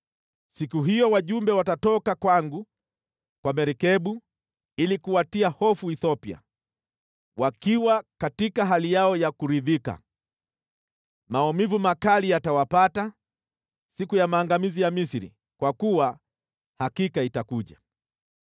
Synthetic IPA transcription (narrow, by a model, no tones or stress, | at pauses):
sikuɦijɔwaʄumbɛwatatɔkakwaŋɡu | kwamɛɾɛkɛɓu | ilikuwatiahɔfuiθɔpia̰ | wakiwakatikaɦalijaɔjakuɾiðika̰ | maɔmivumakalijatawapata | sikujamaːŋɡamizijamisiɾḭ | kwakuwa | hakikaitakuʄa